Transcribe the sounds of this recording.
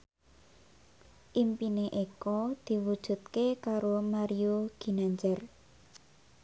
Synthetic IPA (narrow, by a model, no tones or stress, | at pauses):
ʔimpineʔekɔd̪̥i̤wud̥ʒ̥ṳt̪̚kekaɾomaɾioɡ̥i̤naɲd͡ʒɛr